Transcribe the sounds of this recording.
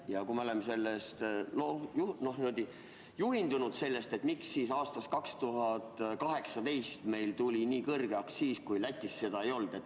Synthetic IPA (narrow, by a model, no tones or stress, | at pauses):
jɑkumeolemːse̞lːest̪lojuno̞hnimud̪̥i | juɦind̪unud̪̥se̞lːe̞st̪e̞t̪ːmiksːiːsɑːst̪ɑskɑkst̪uɦɑd̪̥kɑɦe̞ksɑt̪e̞jst̪me̞jlt̪ulʲiniːkɤrɡ̥eɑkssiːskujlæt̪ʲˑːisːe̞d̪ɑe̞jo̞ld̪̥e̞t̪ːˑ